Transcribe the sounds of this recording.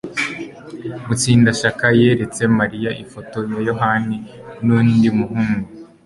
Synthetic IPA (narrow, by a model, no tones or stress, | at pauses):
mut͡siːndaʃakaje̞ɾe̞t͡se̞maɾijaʔifo̞to̞jajo̞ɦani | nuːndimuɦuːŋɡu